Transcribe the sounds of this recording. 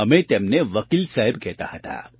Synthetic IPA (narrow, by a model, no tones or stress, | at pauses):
ɐmẽt̪eːmneʋɐkiːlsaɦɪbkɛɦt̪a̰ɦɐt̪a̰ː